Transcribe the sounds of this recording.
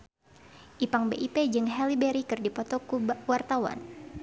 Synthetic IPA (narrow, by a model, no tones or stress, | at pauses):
ʔipaŋbeʔiped͡ʒɨŋɦɛlibɛɾikɨrdipɔt̪ɔkuwart̪awa̰n